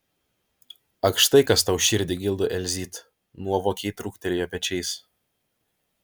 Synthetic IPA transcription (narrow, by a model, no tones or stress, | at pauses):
ɐkʃt̪ɐɪkɐst̪ɐʊʃʲɪɾʲd̪ʲɪɡʲɪlˠd̪ʊʔɛlʲzʲiːt̪ | nuɔʋoːkʲɛɪt̪ɾʊkt̪ʲɛlʲɪjoːpʲɛt͡ʃʲɛɪs